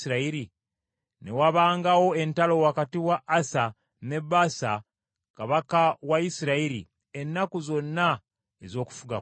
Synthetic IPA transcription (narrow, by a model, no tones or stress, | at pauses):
iɾaiɾi | ne̞waβaːŋɡawo̞e̞ntalo̞wakatiwaʔːsa | ne̞basa | kaβakawaisiɾaiɾḭ | e̞nːakuzo̞nːa | ezo̞ːku̥fuɡa